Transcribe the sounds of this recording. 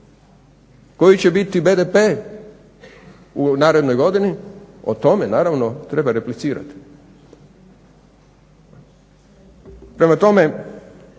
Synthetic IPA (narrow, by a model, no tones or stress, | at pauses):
ko̞jit͡ɕebit̪ibed̪epeː | unaːɾe̞d̪no̞jɡo̞d̪inio̰t̪o̞me̞naːɾaʋnot̪ɾe̞baɾeplit̪siːɾa̰t̪i̥ | pɾe̞mat̪o̞me̞